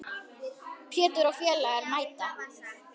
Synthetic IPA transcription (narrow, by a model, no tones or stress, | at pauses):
pʰjɛːt̪ʏɾawfjɛːlaɛɾnaːjt̪a